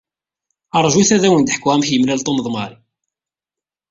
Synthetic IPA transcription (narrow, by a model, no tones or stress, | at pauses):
ɑɾˤʒuθæðæwənd̪ħkːʁæmçjəmlælt̪ˤoməðˤmɑɾi